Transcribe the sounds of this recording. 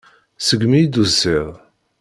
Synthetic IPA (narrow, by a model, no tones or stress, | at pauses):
səɡmid̪uzːɪʁˤ